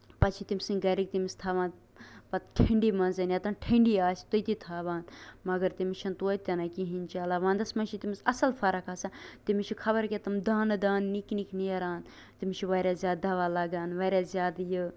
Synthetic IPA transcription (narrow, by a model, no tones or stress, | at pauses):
pɐt͡ʃʰit̪imsiŋɡɐɾik̚t̪imist̪ʰaːʋãːn | pɐt̪ʈʰeɳɖiːmɐnzɐnjɐt̪ɐnʈʰeɳɖiːaːsʲt̪ut̪it̪ʰaːʋãːnmɐɡɐɾt̪imit͡ʃʰɐnt̪oːt̪ʲɐnakiɦinʲt͡ʃaːlaːʋãːnd̪ɐsmɐnt͡ʃʰit̪imisɐsɐlfɐɾɐkaːsat̪imit͡ʃʰikʰɐbɐɾkʲet̪ɐmd̪aːnɨd̪aːnːiknikʰniɐɾaːn | t̪imt͡ʃʰiʋɐːɾʲjaːzʲjaːd̪̚ɐʋaːlɐɡaːnʋɐɾʲjaːzʲjaːd̪jɨ